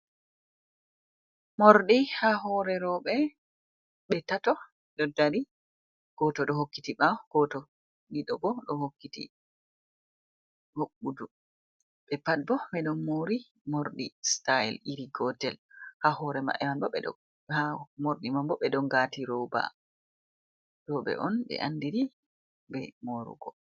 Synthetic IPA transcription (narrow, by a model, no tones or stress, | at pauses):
moɾɗihaɦɔɾɛɾɔɓɛ | ɓɛtatɔ | ɗɔdaɾi | ɡ̥ɔtɔɗɔɦokːitiɓaɡ̥ɔtɔ | niɗɔbɔɗɔhokːitḭ | hoɓːudu | ɓɛpat̚bɔmɛɗɔnmːoɾi | moɾɗistaɛlʔiɾiɡɔtɛlhahɔɾɛma̰ʔɛmambɔɓɛɗɔ̰ | hamoɾɗimambɔɓɛɗɔŋɡatiɾoba̰ | dɔɓɛ̰ʔɔnɓɛ̰ʔandiɾi | bɛ̰moɾṵɡɔ